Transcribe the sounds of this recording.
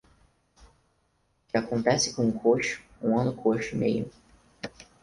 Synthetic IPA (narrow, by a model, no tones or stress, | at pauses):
kɪakõnt̪ɛsɪ̥kõũkʰoʃʊ̥ũɐ̃nʊkʰoʃʊmejʊ